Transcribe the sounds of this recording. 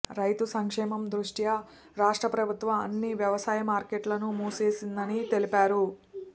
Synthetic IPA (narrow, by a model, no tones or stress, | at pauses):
ɾɐjt̪usɐŋkʂɛːmɐmd̪ɾuʂʈjɐ | ɾaːʂʈɾɐpɾɐbʱut̪ʋɐmɐ̰nːiʋjɐʋɐsaːjɐmaːɾkeʈlɐnumuːse̞ːsind̪ɐnit̪e̞lipaːɾu